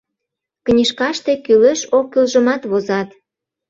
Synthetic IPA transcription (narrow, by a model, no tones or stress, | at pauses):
knʲiʃkɑʃt̪ekyleʃokːylʒəmɑt̪βozɑt̪